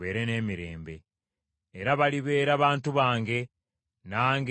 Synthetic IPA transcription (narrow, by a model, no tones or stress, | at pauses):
e̞̰ːɾe̞ne̞ːmiɾe̞̰ːmbe̞̰ː | ɾaβaliβe̞ːɾaβaːntuβaːŋɡe̞ | naːŋɡ